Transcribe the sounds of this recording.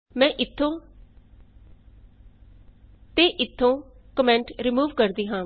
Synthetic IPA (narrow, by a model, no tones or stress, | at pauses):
mɛ̃ːʔɪt̪ʰːõː | t̪eːʔɪt̪ʰːõːkəmɛ̃ːɳʈɾimuːʋkəɾd̪iːɦãː